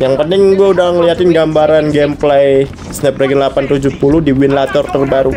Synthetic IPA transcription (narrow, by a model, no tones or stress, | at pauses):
jaŋpənɪŋɡuɛudahŋəliɦat̪ɪnɡambaɾanɡɛmplɛj | snɛp̚ɾaɡɪnlapant̪ud͡ʒuhpulʊhdiwɪnlat̪ɔrt̪ərbaɾu